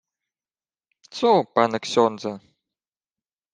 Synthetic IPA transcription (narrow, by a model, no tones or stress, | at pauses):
t̪supanɐksʲɔnd̪zɐ